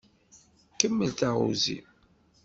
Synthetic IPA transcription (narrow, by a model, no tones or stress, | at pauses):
kəmːəlt̪aʁṵzḭ